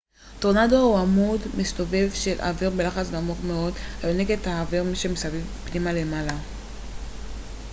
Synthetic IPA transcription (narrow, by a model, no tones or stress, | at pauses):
toʁnadouamudmist̪o̞ve̞vʃe̞lʔa̰viʁbe̞laχat͡sɡamoχmeo̞dhajoneɡe̞taːviʁmiʃemesavivpnimale̞mala